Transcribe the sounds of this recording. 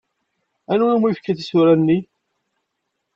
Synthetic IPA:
ænunumijfkːæθisuɾænːi

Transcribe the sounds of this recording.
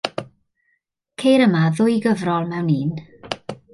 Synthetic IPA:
kʰejɾəmaðʊjɡəvrɔlˠmɛwniːn

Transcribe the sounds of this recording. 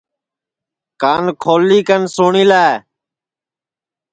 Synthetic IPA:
kaːnkʰoːlːiːkənsoːɳiːlaːe

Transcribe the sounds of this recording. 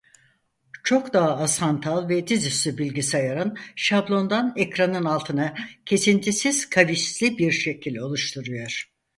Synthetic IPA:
t͡ʃʰo̞kd̪aɦasant̪ʰalˠvɛd̪izyslʲybilʲɡɟisajaɾɯnʃablˠo̞nd̪anɛcɾanɯnalˠt̪ʰɯnacʰe̞sint̪ʰisiz̥kʰaviʃlʲibiɾʃe̞cʰilʲo̞lˠuʃt̪ʰuɾujo̞ɾ̥

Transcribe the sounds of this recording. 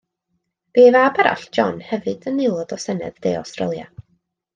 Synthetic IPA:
b̥eːvabɛɾa̰ɬd̥ʒ̥ɔnhɛvɨdənːɪlˠɔdɔsɛnɨ̰ðd̥eːɔ̰wstrəlˠja̰

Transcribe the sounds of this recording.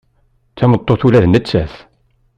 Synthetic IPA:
t͡sːæmət̪ˤːoθulæðnət͡sːæθ

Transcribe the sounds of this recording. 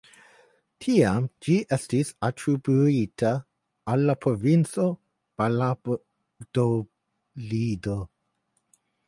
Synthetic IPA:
tʰiamd͡ʒiʔɛstisatʰɾibuitʰaː | lːapʰɾovint͡so | b̥ala | d̥o | lido

